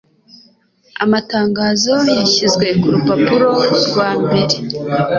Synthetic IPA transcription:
a̰mataːŋɡaːzo̞jaçizɡwe̞kuɾupapuɾo̞ɾɡwaːmbe̞ɾe̞

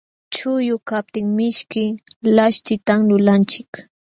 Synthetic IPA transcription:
t͡ʃʊjʊkap̚t̪ɪŋmɪʃkɪlaʃt̪ɪt̪aŋlʊlant͡ʃɪk

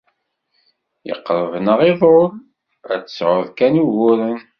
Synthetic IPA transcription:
jə̰qːɾˤəvnəʁiðˤoɾ | æt͡sːə̥sʕʊðkænuɣʊɾən

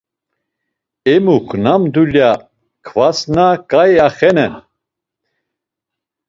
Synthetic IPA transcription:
ɛmukʰnamd̪ulja | kʰvasnakʼajaχɛnɛ

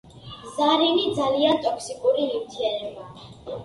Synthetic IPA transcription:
zaɾinid̪zaliant̪ʼɔkʰsikʼuɾiimt̪ʰiɛnɛba

